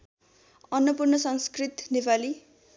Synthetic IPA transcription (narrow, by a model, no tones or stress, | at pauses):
ʌnwʌpurnʌsʌŋskrit̪nepali